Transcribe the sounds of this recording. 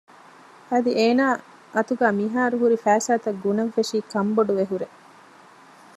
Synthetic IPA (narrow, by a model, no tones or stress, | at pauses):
ɐd̪iʔeːnaː | ʔɐt̪uɡæːmiɦaːɾuɦuɾifæːsaːt̪ɐɡunɐʋfeʂiːkɐmboɖuʋeɦuɾe